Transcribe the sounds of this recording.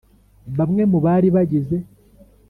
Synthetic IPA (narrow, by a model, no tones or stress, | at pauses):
βamŋe̞muβaːɾiβaɟize